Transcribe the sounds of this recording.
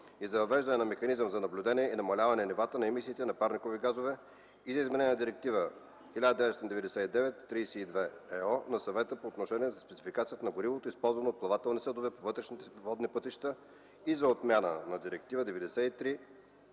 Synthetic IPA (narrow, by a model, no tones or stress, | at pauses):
izɐvɐvɛʒd̪ɐnɛnɐmɛxɐnizəmzɐnɐblʲud̪ɛniɛinɐmɐlʲavɐnɛnɛvat̪ənɐɛmisiːt̪ɛnɐpaɾnikoviɡazovɛ | izɐizmɛnɛnʲɛnd̪iɾɛk̚t̪ivə | xʲilʲad̪əd̪ɛvɛst̪ind̪ɛvɛd̪ɛsɛid̪ɛvɛt̪ːɾijsɛid̪vɛɛɔnɐsɐvɛt̪əpoːt̪noʃɛniɛzɐspɛt̪si̥fikat̪sijət̪ənɐɡoɾivot̪oispɔlˠzvɐnɐot̪̚plˠɐvat̪ɛlˠnisɤd̪ovɛpovɤt̪ɾɛʃnit̪ɛvɔd̪nipɤt̪iʃt̪ə | izɐot̪mʲanə̰nɐd̪iɾɛk̚t̪ivəd̪ɛvɛd̪ɛsɛit̪ɾi